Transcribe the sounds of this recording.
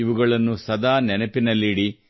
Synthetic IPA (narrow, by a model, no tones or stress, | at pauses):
iʋuɡɐɭɐnːusɐd̪aːnɛnɐpinɐlːiɽi